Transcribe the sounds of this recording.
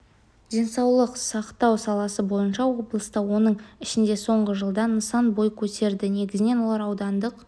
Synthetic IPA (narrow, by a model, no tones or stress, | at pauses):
d̪̥ʲe̞nsɑwlˠəqsɑqt̪ɑwsɑlˠɑsəbo̞jənʃɑwo̞blˠəst̪ɑwo̞nəɴɪʃɪnd̪e̞so̞ɴʁəʒəlˠd̪ɑnəsɑnbo̞jkʲʰɵt̪e̞ɾd̪ɪne̞ɡʲɪzɪne̞nwo̞lˠɑɾɑwd̪ɑnd̪əq